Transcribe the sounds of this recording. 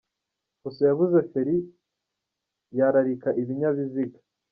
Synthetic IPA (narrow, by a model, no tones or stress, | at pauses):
kusejaβuzefeɾi | jaɾaɾikaʔiβiɲaβiziɡḁ